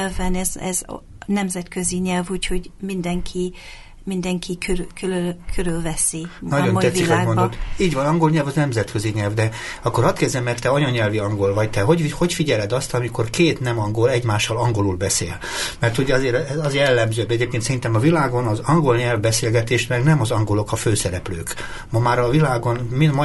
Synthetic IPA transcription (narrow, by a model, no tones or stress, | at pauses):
lvɛnɛzɛ̰z | nɛmzɛt̪køziɲɛlvuːcho̞ɟmind̪ɛŋkʰi | mind̪ɛŋkʰikøkøløkʰøɾylvɛsinɒɟoɛiaːɡmod̪ot̪ːiːɟvɒnɒŋɡo̞lɲɛlvɒznɛmzɛt̪kø̞ziɲɛlvd̪ɛɒkːo̞ɾɒst̪kɛzd̪ɛmːɛrt̪ːɛɒɲoɲɛlviɒŋɡo̞lvɒɟt̪ɛɦoɟiho̞cfiɟɛlɛd̪ɒst̪ɒmiko̞rkeːt̪nɛmɒŋɡo̞lɛɟmaːʃːɒlɒŋɡo̞lulbɛsḛːl | mɛrt̪hoɟɒzeːɾɛzɒzjɛlːɛmzøːbɛɟeːp̚keːnsɛɾint̪ɛmɒvilaːɡo̞nɒzɒŋɡo̞lɲɛlvbɛseːlɡɛt̪eːʃlɛɡnɛmɒzɒŋɡo̞lo̞kɒføːsɛɾɛplø̰ːk | mɒmaːɾɒvilaːɡo̞nmimɒ